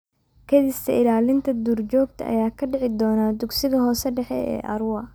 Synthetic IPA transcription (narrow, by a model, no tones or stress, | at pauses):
kʰɐd̪ist̪ʰɐɪlaːlɪnt̪ʰɐd̪urt͡ʃɔːɡ̚t̪ʰɐʔɐ̰jaːkʰɐɖɪʕɪd̪ɔːnaːd̪uɡsɪɣɐɦɔːsɛɖɛħɛɛ̰ːʔɐ̰ɾʊwɐ